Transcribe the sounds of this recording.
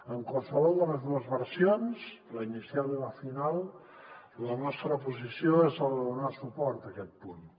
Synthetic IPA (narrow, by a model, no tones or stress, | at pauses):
əŋkwalˠsəβɔlˠd̪ələzðuəzβəɾsionsləinisialˠələfinalˠ | lənɔst̪ɾəpuzisioezəlˠðunasupɔɾt̪əkɛt̪̚pun